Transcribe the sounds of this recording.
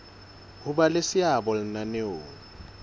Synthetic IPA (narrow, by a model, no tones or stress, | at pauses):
hʊbalesɪabɔl̩naneo̰ːŋ̩